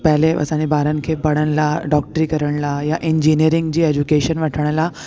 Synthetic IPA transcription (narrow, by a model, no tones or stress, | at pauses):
pɛleə̰sañibaɾənkʰebəɽəɳlaɖɔk̚ʈɾiːkəɾəɳlajaʔiɲd͡ʑiniəɾiŋɡd͡ʑiːed͡ʑukeɕənʋaʈʰəɳ̃ala